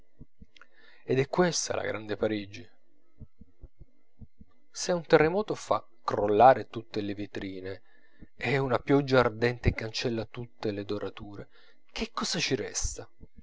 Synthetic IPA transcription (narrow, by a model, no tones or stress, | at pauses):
ed̪ɛkːwest̪a̰lʔa̰ɡɾʔand̪epaɾid͡ʒi | sɛunt̪erːemɔːt̪ofa̰ | kːɾolːaːɾet̪ut̪ːelevit̪ɾiːne | ɛunapjɔd͡ʒːaːrd̪ɛnt̪ekːant͡ʃɛlːat̪ut̪ːeled̪oɾʔat̪uːɾe | k̟ekːɔːzat͡ʃiɾɛ̰st̪a